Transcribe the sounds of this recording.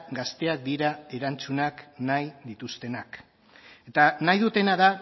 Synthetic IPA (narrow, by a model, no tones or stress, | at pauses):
ɡast̪e̞ak̚d̪iɾae̞ɾant͡sunaknajðit̪ust̪e̞nak | e̞t̪anajðut̪e̞naða